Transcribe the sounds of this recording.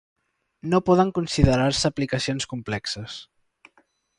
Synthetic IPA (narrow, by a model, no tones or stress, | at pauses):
nopɔðəŋkunsiðəɾaɾsəːplikəsionskumplɛksəs